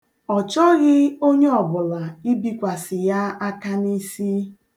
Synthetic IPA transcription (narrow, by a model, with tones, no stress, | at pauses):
ɔ˨t͡ʃɔ˦ɣɪ˦o˦ɲe˦ɔ˨bʊ˨la˨i˦bi˦kʷa˨sɪ˨ja˦a˦ka˦ni˦si˦